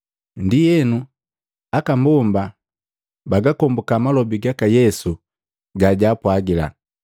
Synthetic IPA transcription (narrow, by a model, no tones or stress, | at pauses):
ndijɛnu | akambɔmba | baɡakɔmbukamalɔbiɡakajɛsu | ɡaɟaːpwaɡila̰